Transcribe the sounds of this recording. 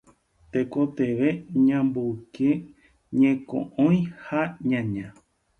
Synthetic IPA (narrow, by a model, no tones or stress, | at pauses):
t̪ekot̪eʋe̞ɲãmboke | ɲẽkõ̰ʔõj̃haɲãɲã